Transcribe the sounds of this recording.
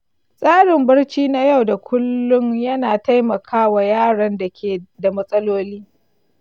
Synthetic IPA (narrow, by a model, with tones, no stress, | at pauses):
sʼaː˦ɽɪ˨mbɐ˦rt͡ʃiː˦na˦ja˦˨wda˨kʷʰʊ˦lːʊ˦ŋjɐ˦naː˨ta˦jmɐ˨kʰaː˦wa˨jaː˦˨ɽɐ˨nda˨kʲʰeː˨da˨mɐ˦sʼɐ˦loː˦liː˦